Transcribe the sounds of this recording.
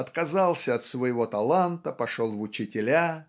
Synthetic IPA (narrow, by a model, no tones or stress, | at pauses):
ɐt̪kɐzalˠsʲəɐt̪svəjɪvo̞t̪ɐlˠant̪əpɐʂolˠvʊt͡ɕɪtʲɪlʲa